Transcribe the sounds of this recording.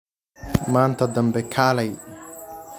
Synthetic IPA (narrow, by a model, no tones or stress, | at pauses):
maːnt̪ʰɐd̪ɐmbɛkʰaːlɐj